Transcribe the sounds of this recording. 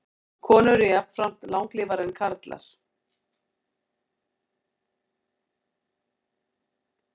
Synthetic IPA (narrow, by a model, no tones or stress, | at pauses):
kʰɔːnʏɾɪjap̪fɾam̥t̪lawŋkliːvaɾɛnkʰaɾt̪la̰ɾ̥